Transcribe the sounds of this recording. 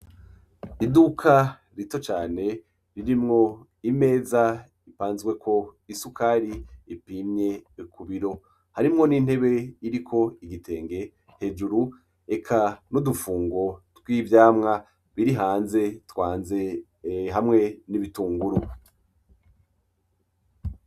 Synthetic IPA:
idukʰa | ɾito̞t͡ʃaːne̞ | ɾiɾimŋo̞ | ime̞ːza | ipaːnzɡwe̞kʰo̞isukaɾiːpiːmɲe̞kʰuβiɾo̞ | haɾimŋo̞nin̥he̞βe̞iɾikʰo̞iɡitʰe̞ːŋɡe̞ | he̞d͡ʒuɾu | e̞kʰanudufuːŋɡo̞twiːvjaːmŋa | βiɾiɦaːnze̞twaːnze̞ | ɦamŋe̞niβituːŋɡuɾu

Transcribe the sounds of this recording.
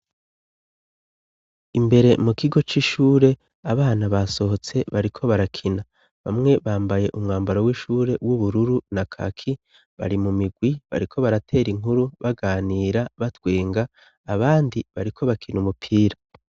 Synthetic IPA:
imbe̞ɾe̞mukiɡo̞t͡ʃiːʃuːɾe̞ | aβaːnaβaso̞hot͡se̞βaɾikʰo̞βaɾakʰina | βamŋe̞βaːmbaje̞ʔumŋaːmbaɾowiːʃuːɾe̞wuβuɾuɾunakʰa̰kʰi | βa̰ɾimumiɡwiβa̰ɾikʰo̞βaɾatʰe̞ːɾiŋ̥uɾuβaɡaːniːɾaβatweːŋɡaː | βaːndiβaɾikʰo̞βakʰinumupʰiːɾa

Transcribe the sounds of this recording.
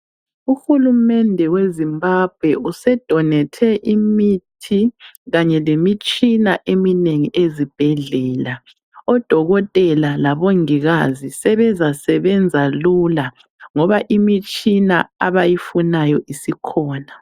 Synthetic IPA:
uxulumɛndʱɛwezimbab̥ʱwɛusɛd̥ʱɔnɛtʰɛʔimitʰiɣaɲɛlemit͡ʃʼinaʔemineŋiʔezib̥ʱɛɮɛːla | ɔd̥ʱɔɣɔtʼɛlalaβoŋiɣazisɛβɛzasɛβɛnd͡zʱaluːla | ŋɔβaʔimit͡ʃʼina̰aβajifunajɔʔisikʰɔːna

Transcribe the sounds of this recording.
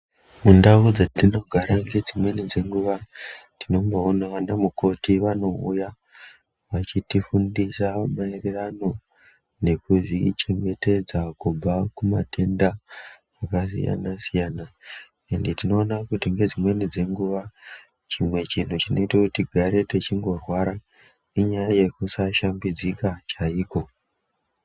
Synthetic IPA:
mundaud͡zatino̞ɡʱaɾaŋɡe̞d͡zimwe̞nid͡ze̞ŋɡuʋatino̞mboonaʋanamuko̞tiʋano̞uja | ʋat͡ʃitifundisamairirano̞ | ne̞kuʐit͡ʃe̞ŋɡe̞te̞d͡zakub͡vakuma̰tʰe̞nda | akasḭja̰nasijaːna | enditino̞ːnakutiŋɡe̞d͡zimwe̞nid͡ze̞ŋɡuʋa | t͡ʃimwe̞t͡ʃin̤ut͡ʃino̞itakutiɡʱaɾe̞tet͡ʃiŋɡo̞rwaɾa | iɲajaje̞kusaʃambid͡zikat͡ʃaiːko̞

